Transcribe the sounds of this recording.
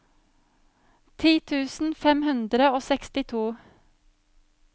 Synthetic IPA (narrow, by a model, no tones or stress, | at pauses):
t̪ʰiːt̪ʰʉːsn̩fɛmhʉnd̪ɾəoːsɛkst̪ɪt̪ʰuː